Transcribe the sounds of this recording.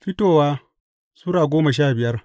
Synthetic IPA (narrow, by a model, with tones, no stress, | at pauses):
ɸɪ˦toː˨waː˦ | suː˦ɾaː˨ɡʷoː˦ma˨ʃ̬aː˦˨bɪ˨jɐ˦r